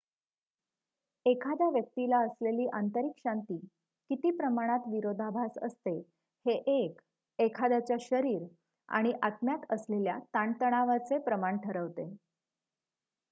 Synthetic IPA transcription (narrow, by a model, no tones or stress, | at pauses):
ekʰad̪jaʋjək̚t̪ilaəsleliːʔant̪əɾikɕant̪iː | kit̪iːpɾəmaɽ̃at̪ʋiɾod̪ʱabʱasə̰st̪e | heʔek | ekʰad̪jat͡ɕjaɕəɾiːɾ | a̰ɽ̃iʔat̪mjat̪əsleljat̪aɳt̪əɽ̃aʋat͡sepɾəmaɳʈʰəɾəʋt̪e